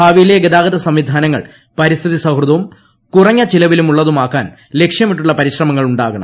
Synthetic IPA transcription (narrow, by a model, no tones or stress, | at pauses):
haːʋijile̞ɡed̪aːɡɐd̪ɐsɐmʋid̪ʱaːnɐŋːɐ̰ɭ | pɐɾist̪ʰiðisɐhruðɐʋum | kurɐɲːɐt͡ɕilɐʋilumuɭːɐðumaːkːaːn | le̞kʂjɐmiʈːuɭːɐpɐɾiɕrɐmɐŋːɐɭuɳɖaːɣɐɳɐ̰m